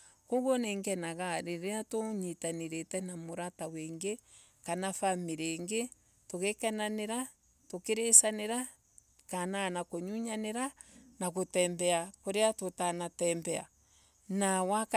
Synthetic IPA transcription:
koɣoneːŋɡɛnaɣaɾeɾeatoɲitaneɾetɛnamoɾataweːŋɡe | kanafamiɾeŋɡe | toɣekananeɾa | tokeɾesaneɾa | kananakoɲuɲaneɾa | naɣotɛmbɛakoɾeatotanatɛmbɛa̰ | nawak

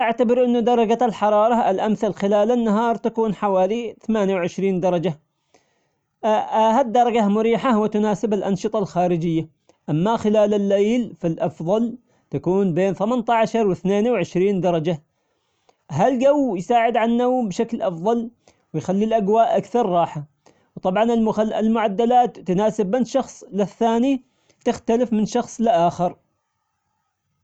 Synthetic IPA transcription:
ʔaʕt̪abɪɾʔɪnːʊd̪ɑɾˤɑd͡ʒalħɑɾˤɑːɾˤɑɪlʔamθalxɪlaːlanːaɦɑːɾˤt̪akuːnħawaːliθamaːnjawʕɪʃɾiːnd̪ɑɾˤɑd͡ʒa | had̪ːɑɾˤɑd͡ʒamʊɾiːħawt̪ʊnaːsɪbalʔɑnʃɨt̪ˤɑlxaːɾɪd͡ʒɪjːa | ʔamːaxɪlaːlɪlːejlfalʔɑfðˤɑl | t̪akuːnbeːnθamant̪aʕaʃɑɾˤwɪθneːnwʕɪʃɾiːnd̪ɑɾˤɑd͡ʒa | ɦalɡawːjsaːʕɪd̪ʕanːabʃaklʔɑfðˤɑl | wɪjxalːilʔaɡwaːʔakθɑɾˤːɑːħa | wt̪ˤɑbʕɑnɪlmʊʕad̪ːalaːt̪ːʊnaːsɪbːɪnʃɑxsˤlɪθːaːni | t̪ɪxt̪alɪfmɪnʃɑxsˤlɪʔaːxɪɾ

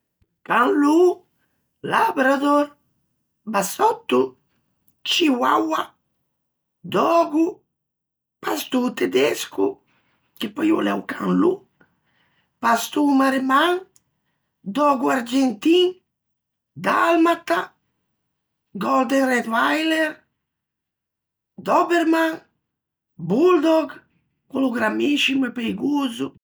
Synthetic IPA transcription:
kãnlu | labɾad̪oɾ | basɔt̪ːu | t͡ʃiwawa | d̪ɔɡu | past̪ut̪ed̪esku | kɪpajo̰lɛwkʰãnlu | past̪umaɾemaŋ | d̪ɔɡuaɾd͡ʒent̪iŋ | d̪almat̪a | ɡɔld̪ɛŋrɛt̪vajleɾ | d̪ɔbeɾmãŋ | buld̪ɔɡ | kuluɡɾamiʃimuɛpejɡuzu

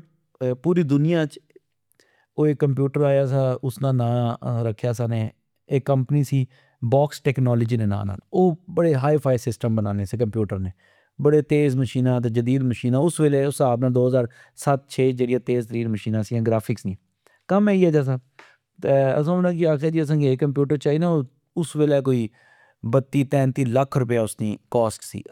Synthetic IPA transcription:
puːɾiːd̪ʊnɪjãːt͡ʃ | oːeːkːəmp̬juːʈəɾaːjaːsaːʊsnãːnãːɾəkʰːjaːsaːneː | eːkəmpniːsiː | baːksʈɛːknɔːləd͡ʒiːneːnã̰ːna̰ːnoːbəɽeːɦaːipʰaːisɪsʈəmbənaːneːseːk̬əmpjuːʈəɾneː | bəɽeːt̪eːzməʃiːnãːt̪̬eːd͡ʒəd̪iːd̪məʃiːnãːʊsʋeːleːʊsaːbnaːd̪oːɦəzaːɾ | sət̪̚t͡ʃʰeːd͡ʒeːɽijãːt̪eːzt̪əɾiːɾməʃiːnãːsiːãːɡɾaːpʰɪksnĩː | kəmɛːiɛːd͡ʒaːs̬ãː | t̪eəsãːʊnãːkiaːkʰeːd͡ʒiːəs̬ãːɡeːkəmp̬juːʈəɾt͡ʃaːinãːoː | ʊsʋeːleːkoːiː | bət̪ːiːt̪ɛ̃ːnt̪iːləkʰɾʊp̬ejaːʊsniːkɔːsʈsḭː

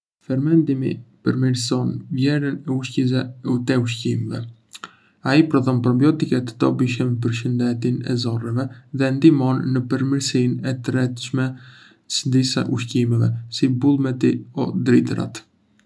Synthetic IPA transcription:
fɛɾmɛnd̪imḭpəɾmiɾs̬ɔnvjɛɾənɛuʃciɛut̪ɛuʃcimɛvɛ̰ | aipɾɔðɔnpɾɔbiɔt̪ikɛt̪ə̥t̪ɔbiʃɛmp̬əɾʃ̬ənd̪ɛt̪inɛ̰zɔrɛvɛðɛnd̪imɔnːəpəɾmiɾsinɛt̪ɾɛt̪ʃmɛ | səd̪isa̰ʔuʃcimɛvɛsibulˠmɛt̪iɔ̰d̪ɾit̪ɾa̰t̪

